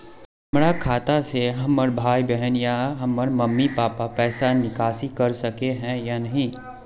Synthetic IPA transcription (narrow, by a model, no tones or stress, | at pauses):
ɦɐmɾakʰaːt̪aseɦɐmːəɾbʱaːibɛɦənjaɦɐmːəɾmɐmːipaːpapɛːsanɪkaːsikɐɾsɐkeɦɛ̃janɐɦĩ